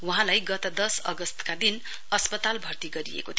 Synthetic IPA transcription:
wuɦãlajɡʌt̪ʌd̪ʌsʌ̰ɡʌst̪kad̪in | ʌspʌt̪albʱʌrt̪iɡʌɾḭḛkot̪ʰ

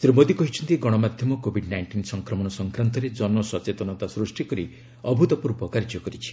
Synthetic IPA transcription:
t̪iɾubod̪ikɔɦit͡ʃʰɔnt̪iɡɔɽ̃ɔmad̪ʱjɔmɔkobʱiɖnajɳʈinsɔŋkɾɔmɔɽ̃ɔsɔŋkɾant̪ɔɾed͡ʒɔnɔsɔt͡ʃet̪ɔnɔt̪asɾusʈikɔɾi | ɔbʱut̪ɔpuɾbɔkaɾid͡ʒɔkɔɾit͡ʃʰi̥

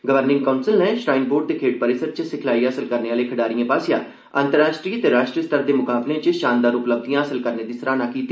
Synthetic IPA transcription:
ɡəʋəɾnɪ̃ŋɡkaʊnsɪlnɛːʃɾaːɪnboːɖ̚d̪eːkʰeːʈ̚pəɾɪsəɾt͡ʃəsɪkʰlaːiːəsəlkəɾneːʋaːleːkʰəɖaːɾijãːpaːsɪja̰ː | ənt̪əɾaːʃʈɾiːət̪eːɾaːʃʈɾijəst̪ʰəɾd̪eːmʊkaːblẽːt͡ʃəʃaːnd̪aːɾʊpləb̚d̪ijãːəsəlkəɾneːd̪iːsəɾaːnaːkiːt̪ːiː

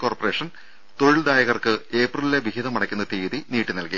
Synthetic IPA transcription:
ko̞ːrpɐreːʂɐn | t̪oɻɭd̪aːjɐɣɐrkɨe̞ːprɨlileʋiɦiðɐmɐɽɐkʲːunːɐt̪iːðiniːʈːinɐlkɐ

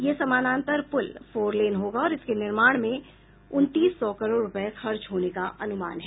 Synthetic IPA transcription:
jeːsɐmaːnãːnt̪əɾpʊlfoːɾleːnɦoːɡaɔːɾɪskenɪɾmaːɽ̃mẽ | ʊnt̪iːsːɔːkɐɾoːɖɾʊpəxɐɾt͡ʃɦoːnekaʔɐnʊma̰ːnɦɛː

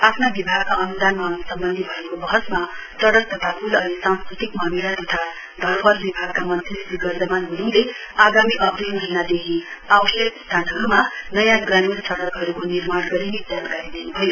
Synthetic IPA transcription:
apʰnabibʱaɡ̚kaʌnd̪anmansʌmbʌnd̪ʱibʱʌekobʌɦʌsma | sʌɽʌk̚t̪ʌt̪ʰapʰulʌnisãnskɾit̪ikmamiɾat̪ʌt̪ʰa | d̪ʱʌɾbʌrbibʱaɡ̚kamʌnt̪ʰissiɡʌrd͡zʌmanɦuɽile | aɡamiʔʌbd̪ijmʌɦinad̪ekʰiabʌsjʌkst̪ʰanɦʌɾumanʌjãɡramirsʌɽʌkɦʌɾukonirmaɽ̃ɡʌɾined͡zjankaɾid̪enubʱʌjo

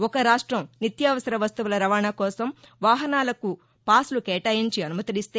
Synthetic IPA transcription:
ɔkɐɾaːʂʈɾɐmnit̪jaːʋɐsɐɾɐʋɐst̪uʋulɐɾɐʋaːɳakɔːsɐm | ʋaːɦɐnaːlɐku | paːslukɛːʈaːjiɲt͡ʃiɐnumɐt̪ɐɽist̪eː

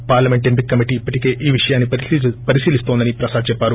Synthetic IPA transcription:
paːɾlɐmeɳʈempikːɐmiʈiːipːɐʈike̞ːʔiːʋiʂɐjaːnːipɐɾisiːlist̪ond̪ɐnipɾɐsaːd̪t͡ʃɛpːaːɾu

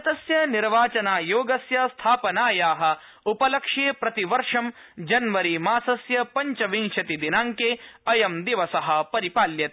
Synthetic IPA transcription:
ɐt̪ɐsjɐniɾʋaːt͡ʃɐnaːjoːɡɐsjɐst̪ʰaːpɐnaːjaːɦɐ̆ | upɐlɐkʂeːpɾɐt̪iʋɐɾʂɐmd͡ʒɐnʋɐɾimaːsɐsjɐpɐɲt͡ʃɐʋiŋʃɐt̪id̪inaːŋkeːɐjɐmd̪iʋɐsɐɦɐ̆pɐɾipaːljɐt̪

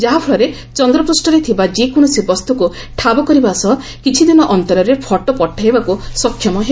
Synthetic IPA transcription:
d͡ʒaɦapʰɔɭɔɾe | t͡ʃɔnd̪ɾɔpɾusʈɔɾet̪ʰibad͡ʒekoñɔsibɔst̪ʰɔku | ʈʰabɔkɔɾibasɔɦ | kit͡ʃʰid̪inɔʔɔnt̪ɔɾɔɾepʰɔʈɔpɔʈʰːaɦibakusɔkʰːjɔmɔɦe

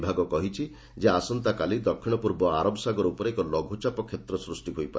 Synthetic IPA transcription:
bʱaɡɔkɔɦit͡ʃʰi | d͡ʒeasɔnt̪akalid̪ɔkʰːiɽ̃ɔpuɾbɔaɾɔbsaɡɔɾupɔɾekɔlɔɡʱut͡ʃapɔkʰːet̪ɾɔsɾusʈiɦojpa̰ɾe

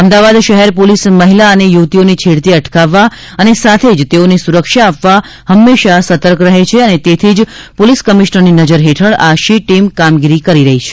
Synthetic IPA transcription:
əmd̪aʋad̪ʃəɦɛɾpolisməɦilaənejuʋt̪ionit͡ʃʰiɽt̪iəʈkaʋːa | ənesat̪ʰed͡ʒt̪eonesuɾəkʃaːpʋa | həmːeʃasət̪əɾkɾəɦet͡ʃʰeənet̪et̪ʰid͡ʒpoliskəmiʃnəɾninəd͡ʒəɾɦeʈʰəɭaʃiʈimkamɡiɾikəɾiɾəɦit͡ʃʰe̥

